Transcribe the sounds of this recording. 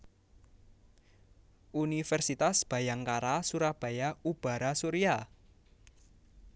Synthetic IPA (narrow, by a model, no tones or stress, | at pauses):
ʔunifɛrsit̪asb̥ä̤jaŋkaɾasuɾab̥a̤jaub̥a̤ɾasuɾia